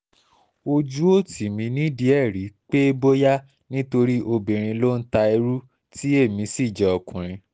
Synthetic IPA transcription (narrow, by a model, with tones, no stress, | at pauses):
o˧d͡ʒu˦o˦˨tʰi˨mĩ˧nĩ˦di˧˦ɛ˦˨ɾi˨˦k͡pe˦e˦bo˦ja˦ | nĩ˦to˧ɾi˦ʔo˧bi˨ɾ̃ĩ˧lo˦n̩˦ta˧e˧ɾu˦ | ti˦e˦˨mĩ˧si˦˨d͡ʒɛ˨ɔ˨kũ˨ɾ̃ĩ˧